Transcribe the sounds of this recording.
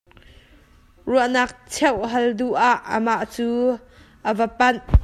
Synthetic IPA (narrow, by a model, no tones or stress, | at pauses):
ruəʔnɐk̚t͡sʰɛwʔɦɐlduʔaʔːəmaʔt͡suː | ʔəvəpɐn